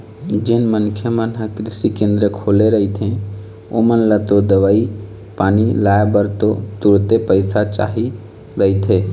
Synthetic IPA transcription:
d͡ʒɪnmənkʰjəmənɦəkɾɪsikẽnd̪ɾəkʰoːleɾəit̪ʰẽ | omənlət̪od̪əʋaːi | paːnilaːebəɾt̪ot̪uɾt̪epəɪsat͡ʃa̰ːɦi | ɾəɦit̪ʰeː

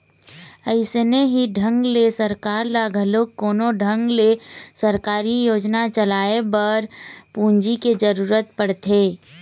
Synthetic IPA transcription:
əɪsneɦiɖʱə̃ŋɡlesəɾkaːɾlaːɡʱəloːkːoːnoɖʱə̃ŋɡlesəɾkaːɾijoːd͡ʒnat͡ʃəlaːebəɾpũːɲd͡ʒiked͡ʒəɾuːɾət̪pəɽt̪ʰeː

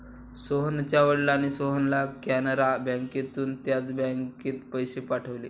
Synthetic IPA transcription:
soɦənt͡ɕjaʋəɽlañisoɦənlakanəɾabãŋkit̪uːnt̪jat͡sbaŋkiːt̪pəjsepaʈʰəʋliː

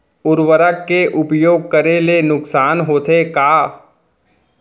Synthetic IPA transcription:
ʊɾwəɾəkːeʔʊpjoːɡ̚kəɾelenʊksaːnɦoːt̪ekaː

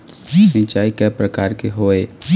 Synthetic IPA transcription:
sĩt͡ʃaːikɛpɾəkaːɾkeɦoːeː

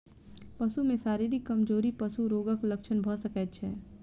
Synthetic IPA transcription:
pɐsumẽsaːɾeɾikɐmd͡ʒoːɾipəsuɾoːɡəkləkʃʰənbʱəsəkɛːt͡ʃʰɛ̰ː

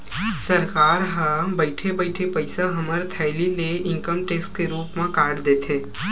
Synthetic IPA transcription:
səɾkaːɾɦə̃bəɪʈʰebəɪʈʰepəɪsaɦɐməɾt̪ʰɛɪlineɪ̃ŋkəmʈeːsʈ̚keɾuːpmãkaːɖd̪eːt̪ʰeː

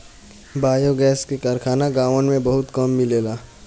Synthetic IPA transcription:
baːjoɡɛːskekəɾkʰaːnaɡaːʋənmẽbɐɦʊt̪kɐmːɪleːlaː

